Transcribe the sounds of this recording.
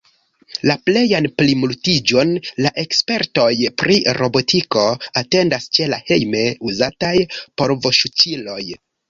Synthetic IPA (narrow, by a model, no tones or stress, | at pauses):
laple̞janplimultid͡ʒo̞nlaʔe̞kspe̞ɾto̞jpɾiɾo̞bo̞tiko̞ate̞ndast͡ʃe̞lahe̞jme̞uzatajpo̞ɾvo̞ʃut͡ʃilo̞j